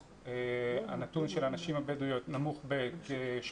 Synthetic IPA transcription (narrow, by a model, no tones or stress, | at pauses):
ea̰natunʃelanaʃimhabedujo̞t̪namuχbetʃ